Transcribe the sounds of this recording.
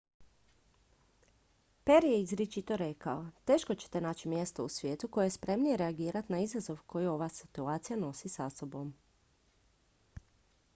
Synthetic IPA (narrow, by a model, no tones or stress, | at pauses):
pe̞ɾje̞izɾet͡ʃit̪o̞ɾe̞kaot̪e̞ːʃko̞t͡ɕe̥t̪e̞naːt͡ɕimje̞st̪ousʋje̞ːt̪uko̞jeespɾe̞mnije̞ɾe̞aɡiːɾat̪naizazo̞ʋko̞jio̞ʋasi̥t̪uaːt̪sijano̞sisaso̞bo̞m